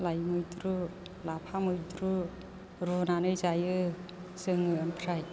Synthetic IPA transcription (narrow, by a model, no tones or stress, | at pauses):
lajmɯjdɾu | lapʰamɯjdɾu | ɾɔnanɯjzajɯ | sɯŋɯampʰɾaj